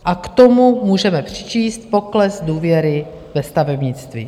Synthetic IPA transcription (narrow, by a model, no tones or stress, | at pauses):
ʔakt̪omumuːʒɛmɛpr̝̥ɪt͡ʃiːst̪̚po̞klɛsduːvjɛɾɪ | vɛst̪avɛbɲɪt͡st̪vḭ